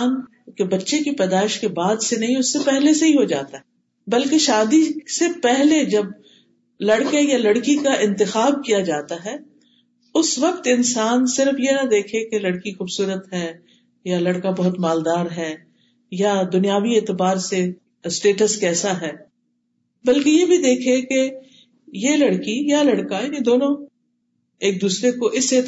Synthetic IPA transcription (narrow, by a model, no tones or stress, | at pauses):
n | kebɐtːʃekipɛːd̪aːɪʃkebaːd̪senɐɦĩʊsːepɛɦleseɦĩɦod͡ʒa̰ːt̪aɦɛ | bɐlkeʃaːd̪isepɛɦled͡ʒɐb̚ | lɐɽkejalɐɽkikaʔɪ̃nt̪ɪxaːb̚kijad͡ʒaːt̪aɦɛː | ʊsʋɐq̚t̪ɪ̃nsaːnsɪɾəfjenad̪eːkʰekelɐɽkixuːbsuːɾət̪ɦɛː | jalɐɽkabɐɦʊt̪maːld̪aːɾɦɛː | jad̪ʊnijaːʋieːt̪ɪbaːɾse | sʈeːʈəskɛːsaɦɛː | bɐlkejebʱid̪eːkʰeke | jelɐɽkijalɐɽkajaːnĩd̪oːnõ | eːk̚d̪uːsɾekoʔɪseː